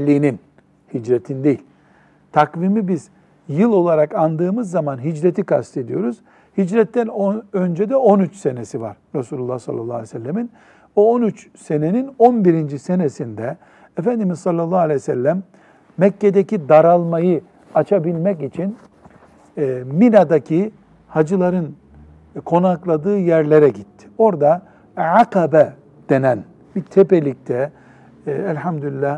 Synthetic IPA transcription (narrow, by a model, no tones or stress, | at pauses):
lʲːiːnin | hid͡ʒɾe̞t̪ʰind̪e̞jilʲ | t̪ʰakvimibiz̥ | jɯlˠo̞lˠaɾakand̪ɯːmɯzːamanɦid͡ʒɾet̪ʰikʰa̰st̪ʰe̞d̪ijo̞ɾuz̥ | hid͡ʒɾɛt̪ʰːænoø̞nd͡ʒed̪ɛo̞nyt͡ʃse̞nesiva̰ɾ̥ɾasuːlʲulˠːahsa̰lˠːa̰lˠːaːlʲesælːemin | oonyt͡ʃ | se̞ne̞nino̞nbiɾind͡ʒise̞nesind̪ɛ | efænd̪imizsɑlʲˠːalˠːaalʲejsɛlʲːæmː | ɛcːe̞d̪ecid̪aɾalˠmajɯ | at͡ʃʰabilʲmɛcit͡ʃʰin | minad̪acʰi | had͡ʒɯlˠaɾɯn | kʰo̞naklˠad̪ɯːjæɾlʲeɾɛɟit̪ʰːi̥o̞ɾd̪a | ʕaqabɛ | d̪̥e̞næn | bit̪ʰepelʲic̚t̪ʰɛ | ælʲhamd̪ylʲilːæh